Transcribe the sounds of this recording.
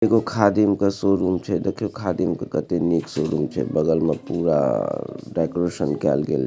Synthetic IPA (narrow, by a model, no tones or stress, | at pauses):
d̪eːkʰokʰaːd̪imkasoːɾuːmt͡ʃʰed̪ekʰjokʰaːd̪imkakɐt̪eniːksoːɾuːmt͡ʃʰḛbɐɡəlməpuːɾa̰ɖɛːkoɾeʃənkɛ̰ːlɡḛːl